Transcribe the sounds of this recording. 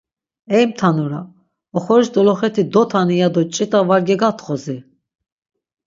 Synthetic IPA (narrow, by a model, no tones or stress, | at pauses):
ɛjmt̪ʰanuɾa | ɔχɔɾisd̪ɔlɔχɛt̪ʰid̪ɔt̪ʰanijad̪ɔt͡ʃʼit̪ʼavaɾɡɛɡat̪χɔzi